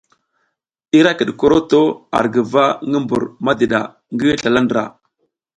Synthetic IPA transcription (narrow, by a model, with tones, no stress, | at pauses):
i˦ɾa˦kə˨ɗko˦ɾo˦to˦a̰˨ɾɡə˨va˦ŋɡə˦mbu˨ɾma˦di˨ɗa̰˨ | ŋɡə˦ɬa˨la˦ndɾa̰˨